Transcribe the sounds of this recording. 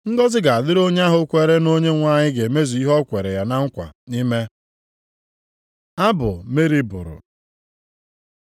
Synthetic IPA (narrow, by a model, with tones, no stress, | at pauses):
ŋ̩˦ɡɔ˦zɪ˦ɡa˨a˨dɪ˦ɾo˦ɲ˦a˦ɦʊ˦kʷe˦ɾe˦no˦ɲe˦ŋʷaː˦˨ɲɪ˦ɡe˨me˦zu˨i˦ɦɔ˦kʷe˨ɾe˨ja˨na˦ŋ̩˦kʷa̰˨ni˦me˦ | a˦bʊ̰˨me˦ɾi˦bʊ̰˨ɾʊ̰˨